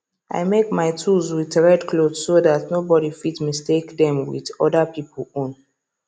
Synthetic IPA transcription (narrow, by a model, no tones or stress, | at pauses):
ʔa̰ɪmekmaɪtʰulzwiðɹɛdklodsodatnobɔɾifitmistekdɛ̃mwḭðɔdapipəlõn